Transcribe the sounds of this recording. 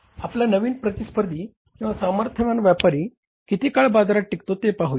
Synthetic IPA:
apljanəʋiːnpɾət̪ispəɾd̪ʱiː | kĩw̃ʋasaməɾt̪ʰəʋãnʋjapaɾiː | kit̪iːkaɭbad̪ɾaʈːikt̪ot̪epaɦui

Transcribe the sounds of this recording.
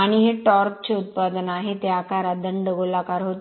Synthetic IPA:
aɽ̃iɦeʈɔɾk̚t͡ɕeut̪̚pad̪ənaɦet̪eakaɾad̪əɳɖəɡolakaɾɦot̪

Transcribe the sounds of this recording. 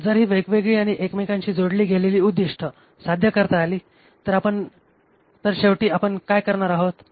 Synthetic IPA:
d͡zəɾɦiːʋəjkʋeɡɭiːaɽ̃iʔekmikãɲt͡ɕiːd͡zoɽliːɡʱeleliːud̪ːiʂʈʰə | sad̪ʱjəkəɾt̪aːliː | t̪əɾapəɳ | t̪əɾɕeʋʈiːapəɳkajkəɾɳaɾaɦot̪

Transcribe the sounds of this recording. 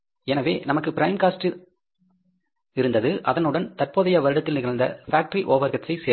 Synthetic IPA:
ɛnɐʋeːnɐmɐkːɯpɪɾɐɪmkaːsʈɯ | ɪɾɯnd̪ɐðɯʔɐðɐnɯɽɐnt̪ɐrpoːðɐjɐʋɐɾɯɽɐt̪ːɪlnɪɣɐɭnd̪ɐ̰faːk̚ʈɐɾiʔoːʋɐɾɣɐt͡ʃːɐɪseː

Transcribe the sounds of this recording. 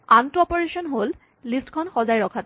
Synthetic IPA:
antuɔpɔɹesɔnɦol | listkʰɔnxɔzajɹɔkʰat

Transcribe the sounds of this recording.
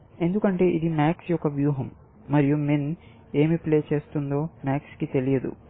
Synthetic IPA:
e̞nd̪ukɐɳʈe̞ːʔid̪imaːksjɔkːɐʋjuːɦɐmː | ɐɾijumen | e̞ːmiple̞ːt͡ʃe̞ːst̪und̪o̞ːmaːkskit̪e̞lijɐd̪ṵ

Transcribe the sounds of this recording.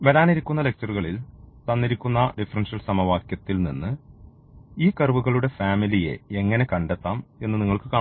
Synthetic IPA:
ʋɐɾaːniɾikʲːunːɐlek̚t͡ɕɐruɣɐɭilt̪ɐnːiɾikʲːunːɐɖifɐrɐnʂɐlsɐmɐʋaːkjɐt̪ːilnḭnːɨ | iːkɐrɨʋuɣɐɭuɽe̞faːmilije̞̰eŋːɐne̞kɐɳɖɐt̪ːaːme̞nːɨniŋːɐɭkɨkaː

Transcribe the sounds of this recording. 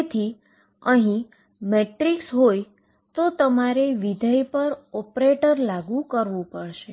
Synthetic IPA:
et̪ʰi | əɦĩ | meʈɾiksɦoj | t̪ot̪əmaɾeʋid̪ʱəjpəɾɔpɾeʈəɾlaɡũkəɾʋũpəɽʃe

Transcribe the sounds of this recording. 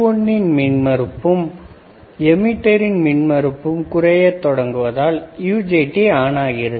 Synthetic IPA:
ɔnːɪnmɪnmɐɾɯpːɯm | ɛmɪʈːɐɾɪnmɪɳmɐɾɯpːɯmkʊrɐjɐt̪ːɔɽɐŋɡɯʋɐðaːljuːd͡ʒeːʈːiaːnaːɣɪɾɐ

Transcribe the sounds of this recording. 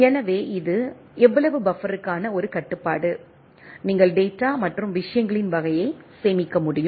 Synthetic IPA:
ɛnɐʋeːʔɪðɯ | ɛʋːɐɭɐʋɯbɐfɐɾɯkːaːnɐɔɾɯkɐʈːɯpːaːɽɯ | niːŋɡɐɭɖeːʈːaːmɐʈrɯmʋɪʂɐjɐŋɡɐɭɪnʋɐɣɐjɐɪseːmɪkːɐmʊɽɪjɯm

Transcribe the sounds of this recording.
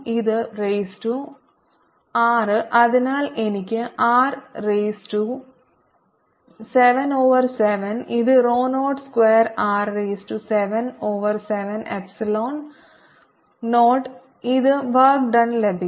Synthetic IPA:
iðɨɾeːsʈu | aːɾʔɐðɐnaːlɛnɪk̬ʲːɨʔaːɾːeːsʈu | sɛʋɐnoːʋɐɾsɛʋɐniðɨɾoːnoːʈskʋeːɾaːɾːeːsʈusɛʋɐnoːʋɐɾsɛʋɐnɛ̰psiloːn | oːʈ | iðɨʋɐːk̚ɖɐnlɛbi

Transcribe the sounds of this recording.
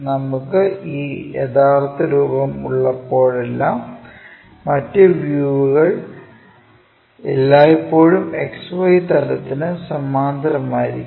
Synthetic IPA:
nɐmukːɨiːjɐ̰t̪ʰaːrt̪ːɐɾuːbɐmuɭːɐpːo̞ːɻe̞lːaːmː | ɐtːeʋjuːʋuɣɐɭ | elːaːjepːo̞ːɻumeksʋɐjt̪ɐlɐt̪ːinɨsɐmːaːnd̪ʱɐɾɐmaːjiɾḭkː

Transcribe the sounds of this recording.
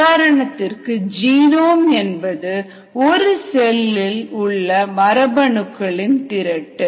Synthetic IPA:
aːɾɐɳɐt̪ːɪrkɯd͡ʒiːnoːmɛnbɐðɯ | ɔɾɯsɛlːɪlʊɭːɐmɐɾɐbɐɳɯkːɐɭɪnt̪ɪɾɐʈːɯ

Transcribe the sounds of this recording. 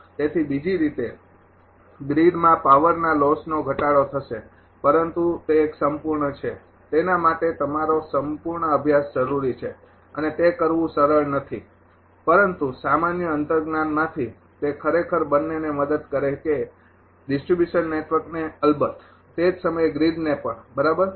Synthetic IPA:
t̪et̪ʰibid͡ʒiɾit̪e | bɾiɖmãpaʋəɾnalɔsnoɡʱəʈaɭot̪ʰəʃe | pəɾənt̪ut̪eːksəmpuɾɳət͡ʃʰe | t̪enamaʈet̪əmaɾosəmpuɾɳəəbʱjasd͡ʒəɾuɾit͡ʃʰe | ənet̪ekəɾʋũsəɾəɭnət̪ʰi | pəɾənt̪usamanjəənt̪əɾɡnanmãt̪ʰi | t̪ekʰəɾekʰəɾbənːenːeməd̪əd̪kəɾeke | ɖɪsʈɾibjuʃənːeʈʋəɾkneəlbət̪ʰ | t̪ed͡ʒsəməjɡɾiɖnepəɳbəɾabəɾ

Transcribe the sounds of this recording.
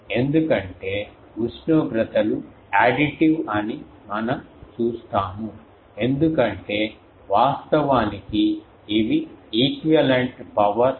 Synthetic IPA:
e̞nd̪ukɐɳʈe̞ː | ut͡ʃnoːɡɾɐt̪ɐlu | aːɖiʈiʋɐni | mɐnɐmt͡ʃuːst̪aːmu | e̞nd̪ukɐɳʈe̞ː | ʋaːst̪ɐʋaːnikiː | ʋiiːkɐlɐɳʈpɐʋɐɾ

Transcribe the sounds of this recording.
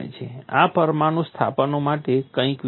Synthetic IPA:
ḛt͡ʃʰḛa̰pəɾmanost̪ʰa̰pənomaʈekə̃ĩk

